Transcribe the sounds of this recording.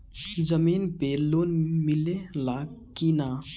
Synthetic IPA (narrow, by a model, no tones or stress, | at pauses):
d͡ʒəmiːnpeloːnmilelakina